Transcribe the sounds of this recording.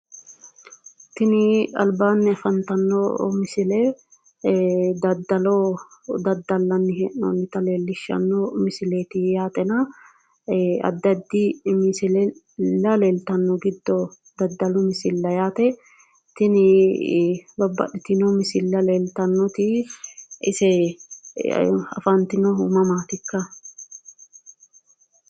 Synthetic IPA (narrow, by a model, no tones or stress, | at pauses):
t̪ɪnɪɐ̰lbaːnːɪɐfɐnt̪ɐnːɔmɪsɪlɛ | d̪ɐd̪ɐlɔd̪ɐd̪ːɐlːɐnːɪɦɛnɔ̰nːɪt̪ɐleːlːɪʃːɐ̰nːɔmɪsɪleːt̪ɪjaːt̪ɛnɐ | ɐ̰d̪ːɐd̪ːɪmɪsɪl | lːɐleːlt̪ɐnːɔɡɪd̪ːɔ | d̪ɐd̪ːɐlʊmɪsɪlːɐjaːt̪ɛ | t̪ɪnɪ | bɐbːɐ̰ɗɪt̪ɪnɔmɪsɪlːɐleːlt̪ɐnːɔt̪ɪ | ɪ̰sɛ | ɐ̰fɐnt̪ɪnɔʊmɐmaːt̪ɪkːɐ